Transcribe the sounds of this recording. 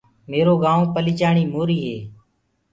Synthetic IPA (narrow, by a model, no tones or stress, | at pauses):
meːɾoːɡãːõːpəliːt͡ʃaːɳiːmoːɾiːɦeː